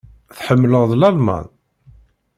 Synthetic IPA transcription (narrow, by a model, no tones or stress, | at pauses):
θħəmːləʁðlælma̰n